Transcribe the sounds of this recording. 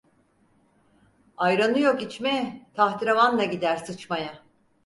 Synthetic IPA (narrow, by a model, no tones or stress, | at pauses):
ajɾanɯjo̞kit͡ʃmɛt̪ʰaht̪ʰiɾavand̪ˠaɟid̪æɾsɯt͡ʃmaja